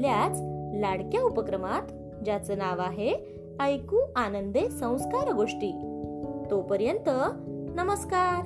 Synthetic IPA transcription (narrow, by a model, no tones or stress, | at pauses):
ljat͡slaɽkjaupəkɾəmat̪ | d͡ʑat͡sənaʋaɦe | əjkuːanənd̪esə̃w̃skaɾɡoʂʈiːt̪opəɾjənt̪ənəməskaɾ